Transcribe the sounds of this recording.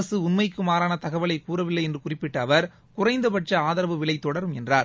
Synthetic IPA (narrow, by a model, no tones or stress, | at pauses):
ɐsɯʊnmɐɪkːɯmaːɾaːnɐt̪ɐɣɐʋɐɭɐɪkuːrɐʋɪlːɐɪɛndrɯkʊrɪpːɪʈːɐːʋɐɾ | kʊrɐɪnd̪ɐpɐʈrɐaːðɐɾɐʋɯʋɪɭɐɪt̪ːɔɽɐɾɯmɛndraːɾ